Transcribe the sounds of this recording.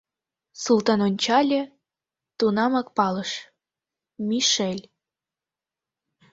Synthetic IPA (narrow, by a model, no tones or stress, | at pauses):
sult̪ɑnonʲt͡ɕɑlʲĕ | t̪unɑmɑk̚pɑləʃ | miʃelʲ